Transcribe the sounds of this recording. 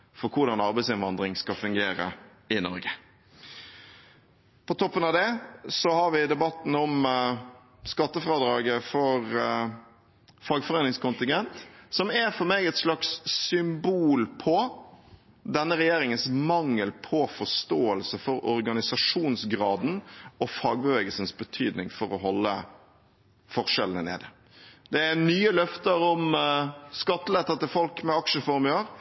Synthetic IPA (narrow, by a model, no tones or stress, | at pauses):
fɔkʰʊɾd̪ɑnɑɾbæɪsɪnʋɑnd̪ʁɪŋskɑfʉŋɡeːɾə̰ | ɪnɔ̰ɾɡə | pʰɔt̪ʰɔpːənɑʋd̪ɛsɔhɑɾʋɪd̪ɛbɑt̪ːn̩ɔm | skɑt̪ːəfɾɑːd̪ɾɑːɡəfɔɾ | fɑːɡfɔʁeːnɪŋskʊnt̪ɪŋɡɛnt̪sɔmæɾfɔɾmeːɡɛt̪slɑkssʏmbuːlpʰɔ | d̪ɛnːəɾɛjeːɾɪŋənsmɑŋːəlpʰɔfɔʂt̪oːəlsəfɔɾɔɾɡɑnɪsɑʂuːnsɡɾɑːd̪n̩ɔfɑːɡ̚bəʋeːɡəlsənsbət̪ʰyːd̪nɪŋfɔɾɔɦɔlːə̰ | fɔɾʂɛlənənḛːd̪ə | d̪̥ɛænyːəlœft̪əɾɔm | skɑt̪ːəlɛt̪ːɑt̪ɪlfɔlkmɛɑkʂəfɔɾmʉləɾ